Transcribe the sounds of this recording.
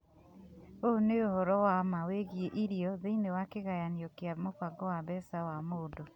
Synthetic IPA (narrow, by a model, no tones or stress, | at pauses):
oneohɔɾɔwamaweɣieʔiɾijɔðeinewakeɣajaniɔkjamofaɡɔwaβɛsawamodɔ